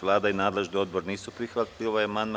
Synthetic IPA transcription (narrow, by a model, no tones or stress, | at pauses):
ʋlˠaːd̪ainaːd̪le̞ʒnio̞d̪boɾniːsupɾixʋat̪lilajemand̪m